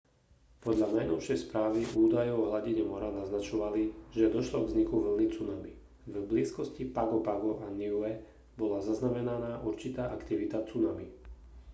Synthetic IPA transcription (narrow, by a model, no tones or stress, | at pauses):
pɔd̪ʎanajnɔʊʃɪɛjspɾaːʋiʔuːd̪ajɔʊɦlaɟiɲɛmɔɾanaznat͡ʃɔʋaliʒɛd̪ɔʃlɔɡzɲikuʋl̩nit͡sunami | vbliːskɔscipaɡɔpaɡɔʔaniuɛ | bɔlazaznamɛnanaːʔuɾt͡ʃit̪aːʔakt̪iʋit̪at͡sunami